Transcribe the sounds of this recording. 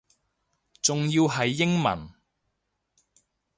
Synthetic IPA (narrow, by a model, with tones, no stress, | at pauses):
t͡sʊ˨ŋjiː˧wɦɐ˨jːɪ˥ŋmɐ̰˨˩n